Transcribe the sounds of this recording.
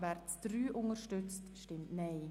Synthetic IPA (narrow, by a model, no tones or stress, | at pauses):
vɛɾt͡sd̥ryːʔʊŋəɾʃtʏt͡stʃtɪmtnɛɪ